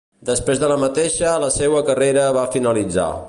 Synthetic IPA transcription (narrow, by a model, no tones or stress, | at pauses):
d̪əspɾezðələmət̪eʃələsɛwəkəreɾəβafinəlid͡za̰